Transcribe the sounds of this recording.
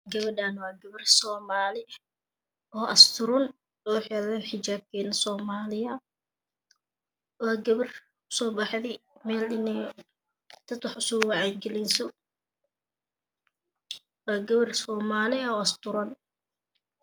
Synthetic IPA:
ɡɐβɐɖaːnwɑːɡɐβɐrsɔːmaːlɪ | ɔːʔɐst̪ʰʊɾɔn | ɔːħɛlɛːnħɪt͡ʃaːb̚kʰɛːnɐsɔːmaːlɪjɐ | wɑːɡɐβɐr | ʊ̥sɔːbɑħðiːmɛːlɪnɛj | t̪ʰɐd̪ħʊsɔːwɑʕajɡɛlɛnsɔ | wɑːɡɐβɐrsɔːmaːlɪɔːɐst̪ʊɾɔn

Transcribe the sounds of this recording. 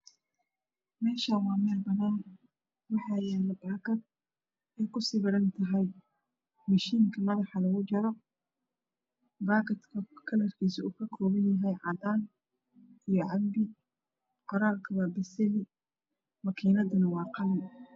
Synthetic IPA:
mɛːʃawɑːmɛːlbɐnaːn | wɑħɑːjɛːlɐbaːkɐd̪̚ | ɛjkʰʊsiːβɐɾɐnt̪ʰɐɦɛj | mɐʃiːŋkʰɐmɐðɑħɑlɐɣʊt͡ʃɐɾɔ | baːkʰɐt̪kʰɐkʰɐlɐrkʰiːsʊuːkʰɐkʰɔːβɪnjɐɦɛjʕɑd̪aːn | ijɞʕɑmbɪ | qɔɾaːrkʰɐwaːbɐsɛlɪ | mɐkʰiːnɐðʊnɐwɑːqɑlɐn

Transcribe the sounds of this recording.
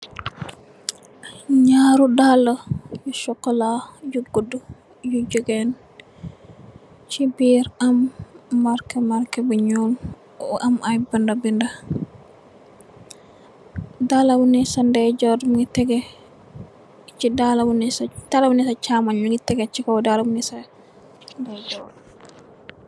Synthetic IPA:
ɲaɾudalɔjuʃɔkːɔlajuɡodu | jud͡ʒɔɡɛn | t͡ʃibiɾamːaɾkɛmaɾkɛbuɲul | ʔamajbandabinda | dalabunɛsandɛd͡ʒɔdmɡitɛɡɛ | t͡ʃidalabunɛstalabunɛsat͡ʃamaɲiŋɡitɛɡɛt͡ʃikɔdalabunɛsa | ndɛd͡ʒɔd

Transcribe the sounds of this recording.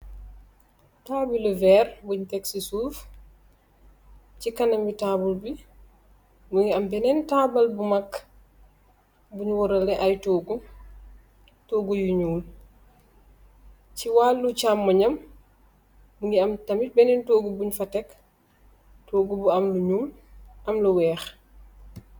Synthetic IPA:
taːbiluvɛɾbuɲtɛksisuf | t͡ʃikanamitabulbi | muŋɡiambɛnɛntabalbumakː | buɲwɔɾalɛʔajtɔːɡu | tɔːɡujiɲuːl | ciwalːut͡ʃamːɐɲɐm | muŋɡiɐmtɐmit̚bɛnɛntoːɡubuɲfɐtɛk | toːɡubuɐmluɲum | ʔɐmluwɛːx

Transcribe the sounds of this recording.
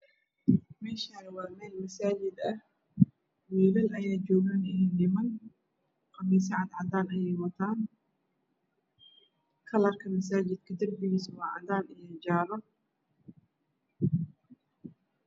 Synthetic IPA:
mɛːʃaːɾwɑːmɛːlmɐsaːt͡ʃɪd̪ɐh | wiːlɐlɐjaːd͡ʒɔːɣɐnɪnɛndɪmɐn | qɑmiːs̬ɐʕɑd̪ʕɑd̪aːnɐjɛjwɐt̪ʰaːn | kʰɐlɐrkʰɐmɐs̬aːt͡ʃɪd̪̚kʰɐd̪ɐrbɪɣiːs̬wɑːʕɑ̰d̪aːnɪjɐd͡ʒaːɾɐ

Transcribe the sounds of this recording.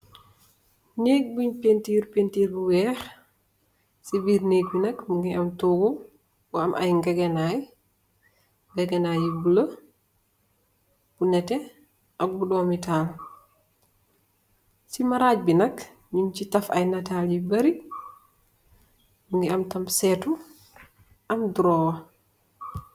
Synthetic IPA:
neːk̚buɲpentiːɾpentiːɾbuwɛx | sibiːɾneːɡ̚binɐkmuŋɡiʔamtoːɡu | buamʔa̰jŋɡɛɡɛnaj | ɡɛɡɛnajibulə | b̥unɛtɛ | ʔakbudɔmital | simaɾad͡ʒ̚binak | ɲumt͡ʃitafa̰jnatald͡ʒibaɾi | muŋɡiamtamsɛtu | ʔamduɾɔwa

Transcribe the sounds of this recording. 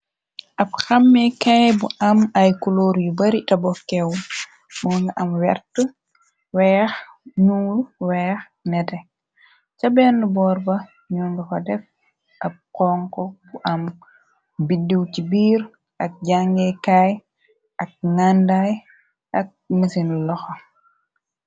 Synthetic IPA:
ʔab̚xamːɛkajbuʔamajkuloɾjubaɾitabɔkɛw | mɔŋɡaʔamwɛ̰ɾtu | wɛːx | ɲuːluwɛx | nɛtɛ | t͡ʃabɛndubɔːɾbɐ | ɲunɡukɔdɛf | ʔab̚kɔŋkɔbuʔam | bidiwt͡ʃibiːɾ | ʔak̚ɟaŋɡɛkaj | ʔak̚ŋandaj | ʔak̚misinlɔxɔ

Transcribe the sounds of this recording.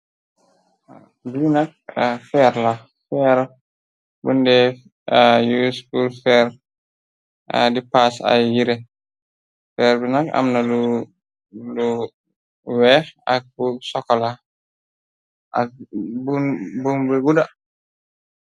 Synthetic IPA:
binak̚fɛɾla | fɛɾ | bundɛ | jusbulfɛɾ | dipasa̰jjiɾɛ | fɛɾbinaka̰mnalu | lu | wɛxa̰k̚busɔkːɔla | ʔa̰k̚bubumbeɡuda

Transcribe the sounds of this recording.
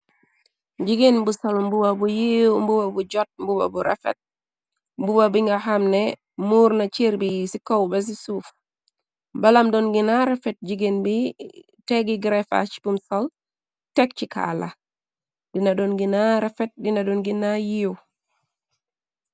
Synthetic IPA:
ɟiɡenbusɔlmbubabujiwmbubabuɟɔt̚mbuba̰buɾɛ̰fɛ̰t̚ | mbubabiŋɡahamnɛ | muːɾnat͡ʃiɾbisikɔwbɛs̬isuf | balamdɔnɡinaɾɛfɛt̚ɟiɡenbi | tɛɡiɡɾɛfa̰t͡ʃi̥pumsɔl | tɛk̚t͡ʃika̰la̰ | dinadɔnɡinaɾɛfɛt̚dinadɔnɡinajiw

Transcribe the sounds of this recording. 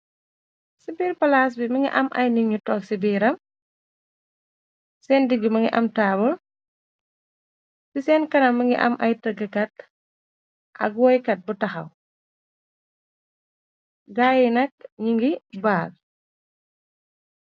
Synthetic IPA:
sibiːɾpɐlaːs̬bimɐŋɡḭʔɐ̰mʔɐ̰jniɲutɔːksibiːɾɐm | sɛːndiɡumɐŋɡiʔɐ̰mtaːbɔ | sisɛːnkɐnɐmːɐŋɡḭʔɐ̰mʔɐjtɐɡɐkɐt̚ | ʔɐ̰ɡwɔːjkɐt̚butɐxɐ̰w | ɡaːjinɐk̚ɲiŋɡibaːl

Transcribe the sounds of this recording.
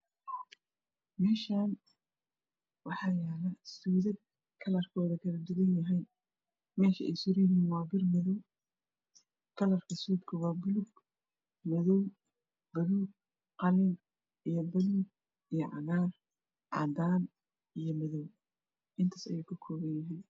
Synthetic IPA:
mɛːʃaːn | wɑħɑːjɛːlɐsuːðɐd̪̚ | kʰɐlɐrkʰɔːðɐkʰɐlɐd̪ɪɣɐnjɐɦɛj | mɛːʃɐʔɛ̰jsʊɾɪjɪɦiːnwɑːbɪrmɐðɔw | kʰɐlɐrkʰɐsuːd̪kʰɐwɑːbʊlʊɡ | mɐðɔw | b̥ɐluːɡ̚ | qɑlɪŋ | ʔijɔbɐluɡ | ijɔʔɑ̰naːr | ʕɑ̰ːd̪aːn | ʔijɞmɐðɔw | ʔɪnt̪ʰaːsɐ̰juːkʰɐkʰɔːɣɐnjɐɦɛj

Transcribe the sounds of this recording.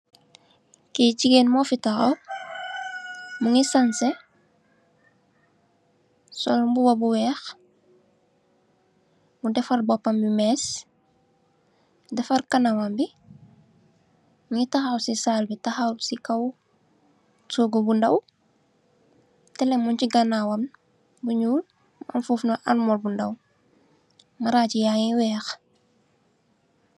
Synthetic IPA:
keːt͡ʃiɡeːnmofitaxa̰w | muŋisanse | so̰lbubabuwɛːx | mudefaɾbopambimeːs | defaɾkanawambi | ɲitɐxawsisalbitɐxawsikɐw | soːɡɔbundɐw | tɛlɛmunciɡɐnawɐn | buɲuːl | mʔɐ̰nfuːfnaʔɐnmɔlbundɐw | maɾaːcijaŋiwɛːx

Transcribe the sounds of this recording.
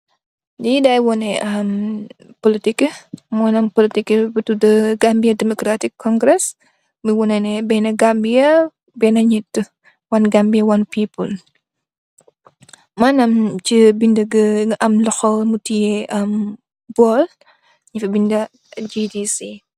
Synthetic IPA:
diidɐjwɔnɛʔɐm | politikəmɔnɐmpolitikːəbɐtudɐɡambijɐdɛmɔkɾatikʰːɔŋɡɾɛs | miwɔnɛnɛbɛnɐɡambijɐ | bɛnɐɲɛtːə | wɐnɡambijɐwɐnpiːpul | manɐmt͡ʃibindɐɡəɡʔɐmlɔxɔmutijɛʔɐm | bɔl | ɲifɐbindɐ | d͡ʒidisi

